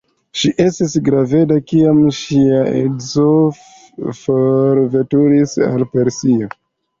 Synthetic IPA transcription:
ʃiʔe̞stisɡɾave̞dakiamʃiaḛzo | foɾve̞tuɾisa̰lpe̞ɾsio

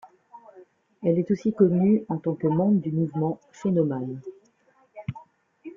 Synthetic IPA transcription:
ɛlɛt̪osikɔnyɑ̃t̪ɑ̃kəmɑ̃bʁd̪ymuvmɑ̃ | fenɔman

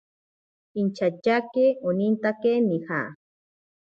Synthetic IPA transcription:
int͡ʃat͡ʃakeonint̪akenixa̰

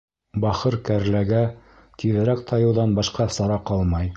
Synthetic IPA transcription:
bɑχɤɾkæɾlæɡæ | kiðɘɾækt̪ʰɑjɤ̆wðɑnbɑʃqɑsɑɾɑqɑlˠmɑj

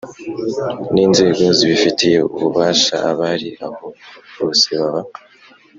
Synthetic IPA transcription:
niːnze̞ːɡo̞ziβifitije̞uβuβaːʃa̰aβaɾiaho̞βoseβaβa

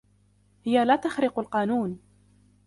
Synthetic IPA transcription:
hɪjalaːt̪axɾɪqalqɑːnuːn

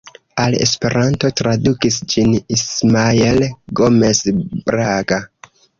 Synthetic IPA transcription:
alḛspe̞ɾʔanto̞tɾadukisd͡ʒinismaelɡo̞me̞sbɾaɡa

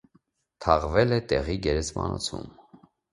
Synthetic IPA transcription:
t̪ʰɑʁvɛlɛt̪ɛʁiɡɛɾɛsmɑ̰nɔ̰t͡sʰṵm

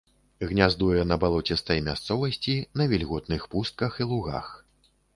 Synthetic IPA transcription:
ɣnʲazd̪ujɛnɐbalˠɔt͡sʲɛst̪ɐjmʲast̪sɔvɐsʲt͡sʲinɐvʲilʲɣɔt̪nɨxpust̪̚kɐxilˠuɣa̰x

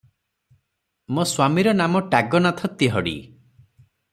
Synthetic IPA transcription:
moswamiɾɔnamɔʈaɡɔnat̪ʰɔt̪iɦɔɽḭ

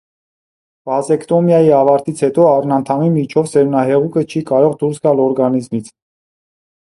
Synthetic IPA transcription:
v̥ɑzɛkt̪ɔmjɑjiɑvɑɾt̪it͡sʰhɛt̪ɔɑrnɑnt̪ʰɑmimit͡ʃʰɔvsɛɾunɑɦɛʁukət͡ʃʰikɑɾɔʁd̪uɾsɡɑlɔɾɡɑnizmit͡sʰ

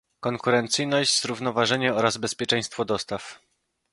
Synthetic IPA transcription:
kɔŋkuɾɛnt̪sɘjnɔʑd͡ʑzɾuvnɔvaʐɛɲɛɔɾazbɛspʲjɛt͡ʂɛj̃st̪fɔd̪ɔst̪af

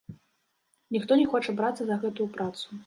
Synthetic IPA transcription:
nʲixt̪ɔnʲɛxɔt͡ʂɐbɾat̪sːɐzɐɣɛt̪ujupɾat̪su̥

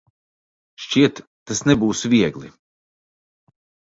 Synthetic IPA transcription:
ʃt͡ɕiɛt̪ːasnɛbuːsvʲiɛɡlˠi

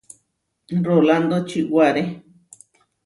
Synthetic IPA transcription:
roland̪ot͡ʃiwaɾe

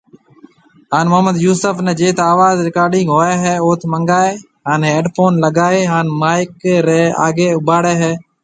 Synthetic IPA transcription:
ɦaːnmʊɦməd̪juːsəfnẽːd͡ʒeːt̪aːʋaːzɾɪkaːɾɖɪŋɡɦoːaːɦɛːoːt̪ʰməŋɡaːeː | ɦaːneːeːɖpʰoːnləɡaːeːɦaːnmaːɪkɾeːa̰ːɡeːʊbaːɽeːɦɛː

